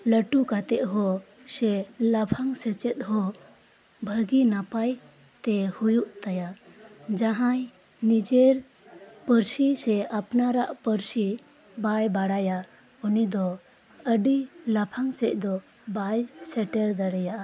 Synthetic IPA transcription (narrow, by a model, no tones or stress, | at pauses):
ləʈukat̪ɛʔɦɔ | sɛlapʰaŋsɛt͡ʃɛt̪̚ɦɔ | bʱəɡinapaj | t̪ɛhujuʔt̪ajad͡ʒaɦãj | nid͡ʒeɾ | pəɾsisɛapnaɾaʔpəɾsi | bajbaɽaja | ɔnid̪ɔ | əɖilapʰaŋsɛc̚ˀd̪ɔ | bajsɛʈɛɾd̪əɽɛjaʔa